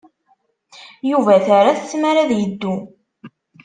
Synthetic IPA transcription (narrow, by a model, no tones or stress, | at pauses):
juvæθaɾaθə̥t͡sːmaɾaðjəd̪ːu